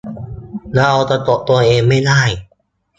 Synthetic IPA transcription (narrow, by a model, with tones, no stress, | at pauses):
na˧ʔa˧wt̪a˧t̪o˨˩ʔ̚t̪u˧ɐʔeː˧ŋma˥˩jdaː˥˩j